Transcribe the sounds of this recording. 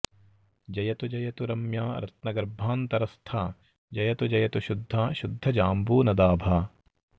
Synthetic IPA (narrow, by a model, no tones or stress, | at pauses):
d͡ʒɐjɐt̪ud͡ʒɐjɐt̪uɾɐmjaːɾɐt̪̚nɐɡɐɾbʱaːnt̪ɐɾɐst̪ʰaː | d͡ʒɐjɐt̪ud͡ʒɐjɐt̪uʃʊd̪ʱːaːʃʊd̪ʱːɐd͡ʒaːmbuːnɐd̪aːbʱaː